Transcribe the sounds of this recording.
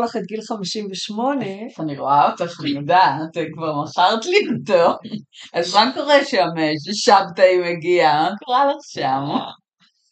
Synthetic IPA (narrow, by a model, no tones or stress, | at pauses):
laχet̪̚ɡilχamiʃimveʃmo̞ne̞aniʁoaotaχanijodaat̪ekvaʁmaχaʁtliotoazmakoʁeʃameʃ̬eʃavtaimeɡiamakoʁalaχʃam